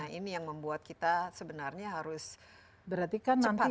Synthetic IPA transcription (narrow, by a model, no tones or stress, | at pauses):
ainijaŋməmbuat̪̚kit̪asəbənarɲaɦaɾʊs | bəɾart̪ikanːanp̪i